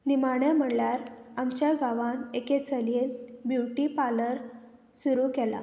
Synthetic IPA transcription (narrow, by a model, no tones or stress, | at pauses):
nimaɳjam̤əɳljaɾamt͡ɕjaɡaʋãneket͡səlenbjuʈipaləɾ | suɾukɛla̰